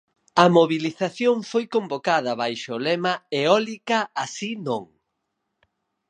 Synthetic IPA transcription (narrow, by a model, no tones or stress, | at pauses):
ɐmoβiliθaθjoŋfojkombokaðɐβajʃʊlemɐeɔlikɐasinõŋ